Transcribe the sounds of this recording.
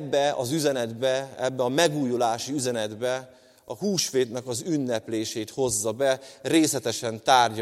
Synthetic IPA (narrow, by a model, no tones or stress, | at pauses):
bːɛɒ̰zyzɛnɛd̪bɛɛbːɛɒmɛɡuːjulaːʃiyzɛnɛd̪bɛ | ɒhuːʃfeːd̪nɛkɒzynːɛpleːʃeːt̪ho̞zːɒbɛreːslɛt̪ɛʃɛnt̪aːrɟ